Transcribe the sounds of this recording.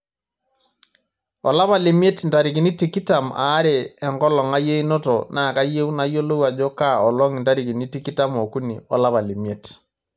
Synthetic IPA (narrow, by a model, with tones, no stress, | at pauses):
ɔ˨la˦βa˨le˨m˦e˦tnta˨ɾi˨ki˨ni˦ti˨ki˦ta˨ma̰ː˨˦ɾeː˨ŋɡɔ˦lɔ˨ŋa˦je˦i˦no˦tɔna˨ka˦je˦u˦na˦jo˦lo˦wa˨d͡ʒɔ˦ka˦˨ɔ˨lɔ˦ŋi˨nta˦ɾi˨ki˨ni˦ti˦ki˦ta˦mɔ˨ku˦nḭ˨ɔ̰˦la˦βa˨le˨mje˦t